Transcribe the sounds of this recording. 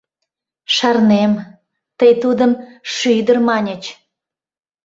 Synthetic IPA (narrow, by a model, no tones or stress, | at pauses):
ʃɑrnem | t̪əjt̪ud̪əmʃyd̪ərmɑnʲət͡ɕ